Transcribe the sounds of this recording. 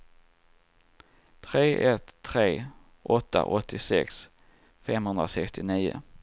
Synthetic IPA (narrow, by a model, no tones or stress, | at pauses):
t̪ʰɾeːʔɛt̪ʰːɾeː | ʔɔt̪ːa̰ʔɔt̪ʰːɪsɛks | fɛmhɵnd̪ɾasɛkst̪ɪniːʊ̰